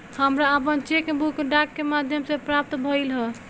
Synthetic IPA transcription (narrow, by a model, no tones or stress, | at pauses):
həmɾaəpənt͡ʃekbukɖakːemad̪ʱjəmsepɾap̚t̪bʱəjlɦə